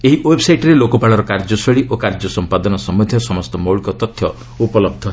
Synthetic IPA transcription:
eɦiwebsajʈɾelokɔpaɭɔɾɔkaɾd͡ʒɔsɔɭiʔokaɾd͡ʒɔsɔmpad̪ɔnɔsɔmud̪ʱjɔsɔmɔst̪ɔmowɭikɔt̪ɔt̪ʰjɔ | upɔlɔb̚d̪ʱɔ

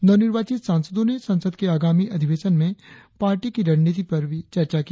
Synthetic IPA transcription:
nɔnɪɾʋaːt͡ʃit̪saːnsəd̪õnesɐ̃nsəd̪keaːɡaːmiʔɐd̪ʱiʋeːʃənmẽpaːɾʈikiɾɐɽnit̪̬ipɐɾbʱit͡ʃɐɾt͡ʃaki

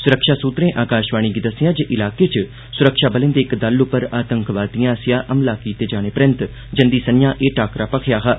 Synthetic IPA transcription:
sʊɾəkʃaːsuːt̪ɾẽːʔaːkaːʃʋaːɽ̃ĩɡid̪əsɪjãːd͡ʒeːʔɪlaːkeːt͡ʃ | sʊɾəkʃaːbəlẽnd̪eːkd̪əlʊpːəɾaːt̪əŋkʋaːt̪ijãːsɪjãːʔəmlaːkiːt̪eːd͡ʒaːñeːpɾɪ̃nt̪ | d͡ʒənd̪iːsənjãːʔeːʈaːkɾaːpəkʰjaːɦaː

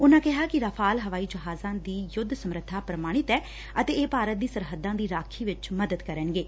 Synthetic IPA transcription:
ʊnãːkɛɦaːkɪɾəapʰaːlɦəʋaːiːd͡ʒəɦaːzãːd̪iːjʊd̪ʱsəmɾət̪ʰːaːpɾəmaːɽ̃ɪt̪ɛː | ət̪eːeːpaːɾət̪̚d̪iːsəɾɦəd̪ãːd̪iːɾaːkʰiːʋɪt͡ʃməd̪əd̪kəɾənɡeː

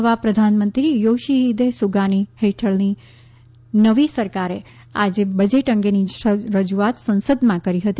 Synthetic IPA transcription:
ʋapɾəd̪ʱanmə̃nt̪ɾijoʃiɦːd̪esuɡaniheʈʰəɭni | nəʋisəɾkaɾe | a̰d͡ʒebəd͡ʒeʈəŋɡeniɾəd͡ʒuat̪sə̃nsəd̪mãkəɾiɦət̪

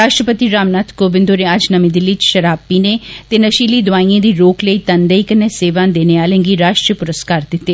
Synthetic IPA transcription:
ɾaːʃʈɾəpət̪iːɾaːmnaːt̪koːbɪ̃nd̪oːnẽad͡ʒnəmĩd̪ɪlːiːt͡ʃʃəɾaːpːiːneːt̪eːnəʃiːliːd̪ʊaːĩːãːd̪iːɾoːkləiːt̪ənd̪əiːkənːeːseːʋãːd̪eːneːaːlẽːŋɡiːɾaːʃʈɾəpʊɾəskaːɾd̪ɪt̪ːeː

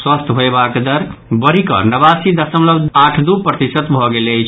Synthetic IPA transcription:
swəst̪ʰɦoebakd̪əɾbəɾikə̰nəbasid̪əsəmləbaʈʰd̪upɾət̪isət̪bʱɔɡelejt͡ʃʰ

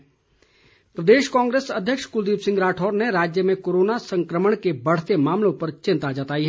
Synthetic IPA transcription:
pɾɐd̪eːʃkɔ̃ːŋɡɾeːsɐd̪ʱjəkʃkʊld̪iːbsɪ̃ŋɡɾaːʈʰɔːɾneɾaːd͡ʒjəmẽkoːɾoːnasɐ̃ŋkɾəməɽ̃kebɐɽ̤t̪emaːmlõpɐɾt͡ʃɪ̃nt̪ad͡ʒət̪aːiɦɛː

